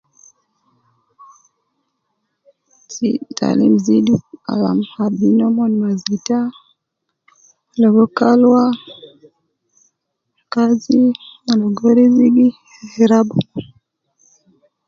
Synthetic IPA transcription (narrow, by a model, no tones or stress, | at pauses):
sita̰lḭm̩zidia̰la̰mhabinɔmɔnimazita | lɔɡɔkalwa | kazimalɔɡɔɾiziɡi | ɛɾabu